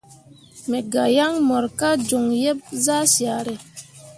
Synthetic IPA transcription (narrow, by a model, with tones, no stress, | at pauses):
me˨ɡa˨ja˦ŋmɔ˨ɾka˦d͡ʒo˨ŋjɛ˦p̚za˦sja˨ɾe˨